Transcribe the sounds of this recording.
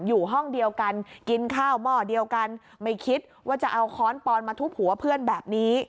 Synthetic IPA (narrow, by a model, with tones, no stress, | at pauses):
juː˨˩ɦɔ˥˩ŋdi˧əwka˧nki˧nkʰaː˥˩wmɔː˥˩di˧əwka˧n | ma˥˩jkʰi˦˥t̪̚waː˥˩t͡ɕa˨˩ʔa˧wkʰɔː˦˥npɔː˧nmaː˧t̪ʰu˦˥k̚hu˩˦ɐpʰɯ˥˩ənbɛː˨˩p̚niː˦˥